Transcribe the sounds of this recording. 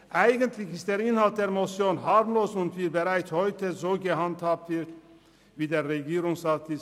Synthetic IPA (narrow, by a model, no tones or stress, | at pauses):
ʔaɪɡəntʰlɪçɪst̚d̥eːɾɪnhalt̚d̥eːɾmot͡sjoːnɦaɾmloːsʊntviːbeɾaɪt͡sshɔʏtʰəzoːɡəhanthaːp̚tv̥ɪɾt | viːdeːʁeɡiːɾʊŋsat̪ʰɪs